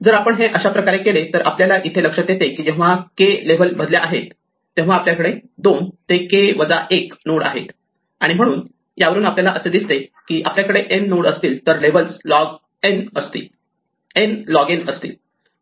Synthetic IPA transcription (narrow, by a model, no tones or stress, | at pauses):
d͡zəɾapəɳɦẽʔəɕapɾəkaɾekelet̪əɾʔa̰pljalaʔit̪ʰeləkʂət̪jet̪ekiːd͡ʑɛ̃ʋakeleʋəlbʱəd̪ljeʔaɦet̪ː | ẽʋ̤aːpljakəɽed̪ont̪ekeʋəd͡zaʔeknoɽa̰ɦḛt̪ | aɽim̤əɽ̃uːn | jaʋəɾuːnapljalaʔəsed̪ist̪ekiːʔapljakəɽeʔenːoɽəst̪iːlt̪əɾleʋəlsɡ | enəst̪ḭː | enlɔɡenəst̪ḭːl